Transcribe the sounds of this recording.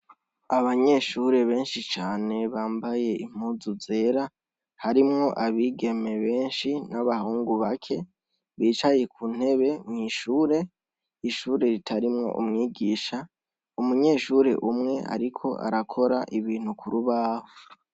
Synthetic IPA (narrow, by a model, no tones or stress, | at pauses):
aβaɲe̞ʃuːɾe̞βe̞ːnʃit͡ʃaːne̞βaːmbaje̞im̥uːzuze̞ːɾa | haɾimŋo̞ʔaβiːɡe̞me̞βe̞ːnʃinaβahuːŋɡuβakʰe̞ | βiːt͡ʃaje̞kʰuːn̥e̞βe̞mŋiːʃuːɾe̞ | iʃuːɾe̞ɾitʰaɾimŋo̞̰ʔumŋiːɡiːʃa | umuɲe̞ːʃuɾe̞̰ʔumŋe̞a̰ɾikʰo̞ʔa̰ɾakʰo̞ɾaʔiβiːn̥ukʰuɾuβaːho